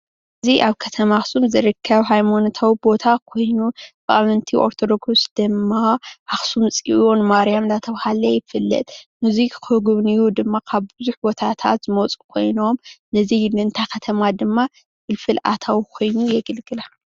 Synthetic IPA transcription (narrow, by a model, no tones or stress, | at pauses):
ʔɨziʔaβkʰɐt̪ʰɐmaxsumzɨɾɨkʰːɐβɦajmont̪ʰawibo̞t̪ʰakʰo̞jnubɐʔamɨnt̪ʰiʔo̞̰ɾt̪ʰo̞d̪o̞ɡusd̪̥ɨmːaʔaxsumt͡sʼiʔonɨmaɾijamlat̪ʰɐβhalɐjɪfɨlːɐ̰t̪ʼmuzikkɨɡɨβnijud̪ɨmːakʰaβbɨzuħbo̞t̪ʰat̪ʰa̰t̪zɨmot͡sʼu̥kʰo̞jno̞mnɐzilɨnt̪ʰakʰɐt̪ʰɐmad̪ɨmːa | bɨlfɨlʔa̰t̪ʰawkʰo̞jnujɛɡɨlɡɨla